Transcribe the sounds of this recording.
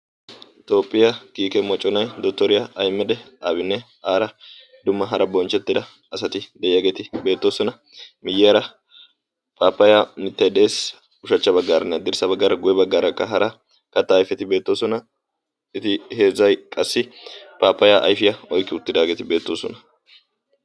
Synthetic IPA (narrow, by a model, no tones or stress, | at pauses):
ɪt̪o̞ːpʼːɪjɐkiːkɛmɔt͡ʃʼːɔnɐjd̪ɔt̪ːɔɾɪjɐɐjmːɛd̪ɛaːbɪnːɛ | aːɾɐ | d̪ʊmːɐɦɐɾɐbɔnt͡ʃːɛt̪ːɪd̪ɐː | sɐt̪ɪd̪ɛjɪjaːɡe̞ːt̪ɪbe̞ːt̪ːoːsɔnɐ | mɪjːɪjɐɾɐ | pʰʼaːpːɐjamɪt̪ːɐjd̪eːs | ʊʃɐt͡ʃːɐbɐɡːaːɾɛnːɐd̪ɪɾsɐbɐɡːaːɾɐɡʊjɛbɐɡːaːɾɐkːɐɦɐɾʔɐ | kɐt̪ːɐːjfɛt̪ɪbe̞ːt̪ːoːsɔnɐ | ɪt̪ɪheːzɐjkʼɐsːɪpʼaːpːɐjaʔɐ̰jfɪjɐɔjkːɪʊt̪ːɪd̪aːɡeːt̪ɪbe̞ːt̪ːoːsɔ̰nɐ